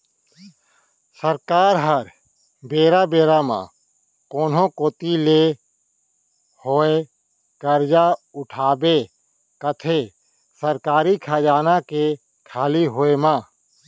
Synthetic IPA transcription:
səɾkaːɾɦəɾ | beːɾabeːɾamã̰ | koːnɦõkoːt̪ile | hoːe | kəɾd͡ʒaʊʈʰaːbe | kət̪ʰe | səɾkaːɾikʰaːd͡ʒaːnake | kʰaːliɦoːemãː

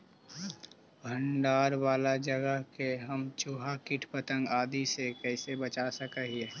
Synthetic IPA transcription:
bʱəɳɖaːɾwaːlad͡ʒəɡəɦkeɦəmt͡ʃuɦakɪʈʰpət̪ə̃ŋɡaːd̪isekɛːɪsebət͡ʃasəkəɦiɛː

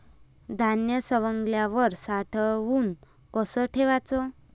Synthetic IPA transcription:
d̪ʱanjəsəʋəŋɡljaʋəɾsaʈʰəʋuːn | kɔsəʈʰeʋat͡sɔ

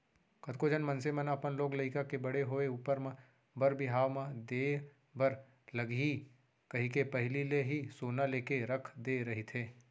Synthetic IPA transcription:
kɐt̪̚koːd͡ʒənmɐ̃nsemənapənloːɡlɐɪkakebɐɽeɦoːeuːpəɾmə̃ | bɐɾbɪɦaːʋmə̃d̪eː | bəɾ | lɐɡi | kɐɦĩkepɐɦɪlileɦisoːnaleːkeɾɐkʰd̪eːɾɐɦit̪ʰeː

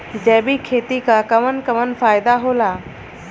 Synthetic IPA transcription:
d͡ʒɛːbikʰeːt̪ikakəmənkəmənfʰaːɪd̪aɦoːlaː

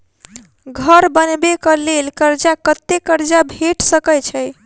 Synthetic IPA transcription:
ɡʱəɾbənbekəlelkəɾd͡ʒakət̪ːekəɾd͡ʒabʱeʈsəkət͡ʃʰəj

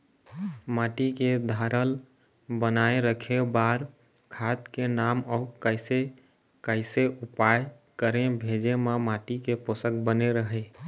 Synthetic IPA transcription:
maʈiked̪ʱaɾəl | bənaeɾəkʰebaɾ | kʰat̪kenaməʊkəɪse | kəɪseʔupaj | kəɾẽbʱed͡ʒemamaʈikeposək̚bəneɾəɦə

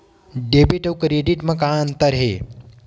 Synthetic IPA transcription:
ɖebiʈɐwkɾeɖiʈmɐ̃kãənt̪əɾɦe

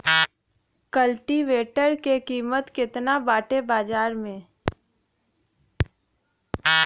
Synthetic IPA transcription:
kəlʈiʋeːʈəɾkekiːmət̪kɪt̪nabaːʈebaːd͡ʒaːɾmẽ

